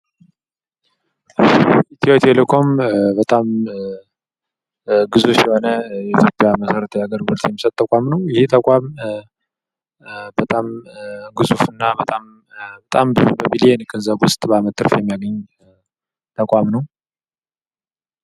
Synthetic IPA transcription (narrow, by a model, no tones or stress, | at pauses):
it̪ʰiot̪ʰelekʰo̞mbət̪ʼam | ɡɨzufjɛho̞nəjɛit̪ʰjo̞pʼjaməsəɾət̪ʰəjaɡəɾɡɔlt̪jɛmːisət̪ʼt̪ːəkʼamnəwjɪhit̪ʰəkʼam | bət̪ʼamɡɨzufɨnːabət̪ʼam | bət̪ʼambɨzubəmilijenkʰɨnzaɡʊst̪ʼbəamət̪ʰːɨɾfjɛmːijaɡəɲː | t̪ʰəkʼʷamnəw